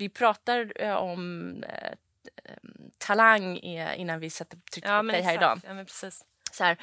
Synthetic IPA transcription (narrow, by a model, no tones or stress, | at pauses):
vɪpʰɾɑːt̪aɾɔm | t̪ʰalaŋːɪ̰nːanvɪsat̪ːət̪ʰʏk̪d̪ɛjɦæːɾɪd̪ɑ̰ːpʰɾsiːs | sɔhæːɾ